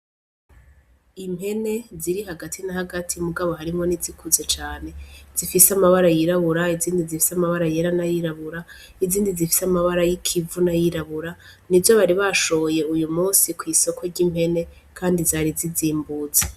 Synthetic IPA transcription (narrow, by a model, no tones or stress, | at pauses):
imhe̞ne̞ziɾiɦaɡatʰinahaɡatʰimuɡaβo̞ɦaɾimŋo̞nizikʰuzet͡ʃaːne̞z̥ifiseamaβaɾajiɾaβuɾaiziːndizifi̥samaβaɾajeɾanajiɾaβuɾa | iziːndizifi̥samaβaɾajikʰivunajiɾaβuɾa | nizo̞βaɾiβaʃooje̞ujumuːsikwiːso̞kʰwe̞ɾɟim̥he̞ne̞ | kʰaːndizaːɾiziziːmbuːze